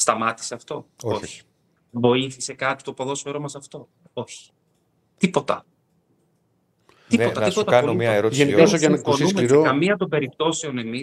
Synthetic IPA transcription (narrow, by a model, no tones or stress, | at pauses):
st̪ɐmɐt̪i̥seɐft̪o̞oo̞çi̥ | vo̞iθise̞kɐt̪i̥t̪opo̞ðo̞soeɾo̞mɐsɐft̪o̞ | o̞çi̥ | t̪ipo̞t̪ɐ̰ | t̪ioɐipot̪ɐɐnomiɐeɾoʝenikosoʝɐnkoniusmeiɾeokɐmiɐd̪obe̞ɾip̚t̪o̞seo̞ne̞mi